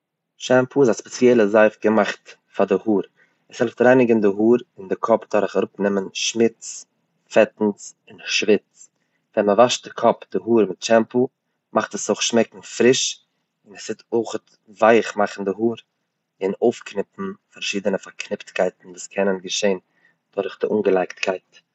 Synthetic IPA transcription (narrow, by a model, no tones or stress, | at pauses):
ʃɛmpuɪzaspɛt͡sjɛlˠəzaɪfɡəmaχt | fadɪhuːɾ | ɛshɛlˠftɾaɪnɪɡəndɪɦuːɾɪndɪkʰɔpdɔɾəχaɾʊpnɪmənʃmɪt͡s | fɛtn̩s | ɪnʃvɪt͡s | vɛnməvaʃt̚dɪkʰɔpd̥ɪɦuːɾmɪtt͡ʃɛmpu | mʔaχtəsoʊχʃmɛkŋ̩fɾɪʃ | ɪnɛsɪtʰoːχət | vaɪχmaχn̩dɪɦuːɾ | ɪnoʊfknɪpn̩faɾʃiːdənəfaɾkʰnɪptkaɪtn̩duːskʰɛnənɡəʃeɪn | d̥ɔɾɪχdɪʔuːnɡəlˠaɪktkʰaɪt